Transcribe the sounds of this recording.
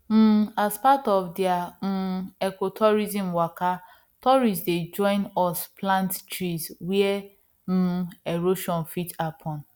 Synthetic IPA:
m̩aspatɔfdiam̩ɛkotʰɔɹizĩmwaka | tɔɹisded͡ʒɔ̃ɪ̃nɔsplãnttɹiswiɛ | m̩ɛɾoʃɔ̃nfitapʰɔ̃n

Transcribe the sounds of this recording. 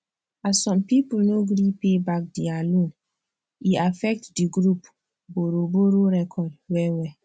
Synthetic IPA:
assɔ̃mpipulnoɡɾipebak̚dialõn | iafɛk̚tdiɡɾup | boɾoboɾoɾɛkʰɔdwɛwɛ

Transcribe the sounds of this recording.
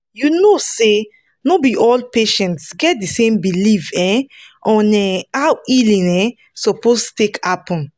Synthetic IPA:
junose | nobiʔɔlpeʃɛ̃ntsɡɛt̚disẽmbilifɛ̃ʔɔ̃nɛawilĩnɛ̃ | sɔpostu̥tekapɔ̃n

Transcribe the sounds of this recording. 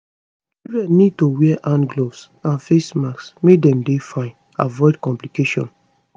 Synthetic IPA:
ɹɛnid̚towɛɛʔãnɡlovs | ãnfesmaksmedɛ̃mdefãɪ̃n | avɔɪdkɔ̃mplikeʃɔ̰̃n

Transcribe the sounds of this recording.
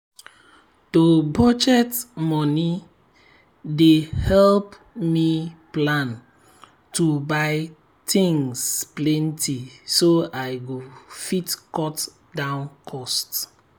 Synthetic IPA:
tobɔd͡ʒɛtmɔni | dehɛlp | miplãn | tubaɪ | tʰĩŋsplɛ̃ntisoajɡofitkɔt | dãʊ̃nkʰɔst

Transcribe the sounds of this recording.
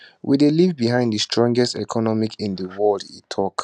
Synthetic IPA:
wḭdelivbiɦãɪ̃ndəstɹ̥ɔ̃ŋɡɛstɛ̰kʰɔnɔmikĩndəwɔldḭtʰɔk

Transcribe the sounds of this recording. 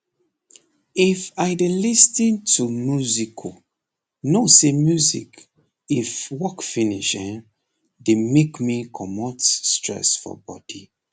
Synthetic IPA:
ifaɪdelistĩntumjuzikʰo | nosemjuzḭk | ifwɔkfiniʃɛ̃n | demekmikʰɔmɔ̃stɹɛ̰sfɔ̰bɔd̥i

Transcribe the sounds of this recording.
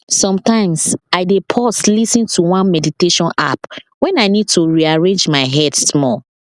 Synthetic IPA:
sɔ̃mtãɪ̃msaɪdepʰɔslisĩntʰuwãnmɛditeʃɔ̃na̰pwɛ̃naɪnid̚tuɹiaɹẽnd͡ʒmaɪɦɛdsmɔl

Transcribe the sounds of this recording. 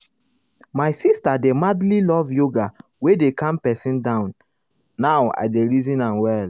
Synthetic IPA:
maɪsistademadlilɔvjoɡa | wedekãmpɛsĩndãʊ̃nː | aʊa̰ɪdeɹizĩnãnwɛl

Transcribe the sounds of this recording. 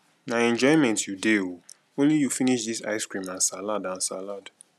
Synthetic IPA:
naɛ̃nd͡ʒɔɪmɛ̃ntjudeo | õnlijufiniʃðisa̰ɪskɹĩmãnsaladãnsalad

